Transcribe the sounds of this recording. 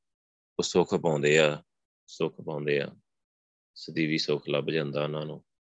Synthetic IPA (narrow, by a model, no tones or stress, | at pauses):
osoːkʰpãːnd̪eːaː | soːkʰpãːʊ̃nd̪eːa̰ː | səd̪iːʋiːsoːkʰləbd͡ʒãːnd̪aːnaːnõː